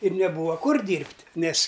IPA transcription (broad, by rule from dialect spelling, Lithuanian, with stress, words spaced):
ɪr nʲɛˈbuːʋɐ ˈkʊr ˈdʲiːrʲpʲtʲ ˈnʲɛsʲ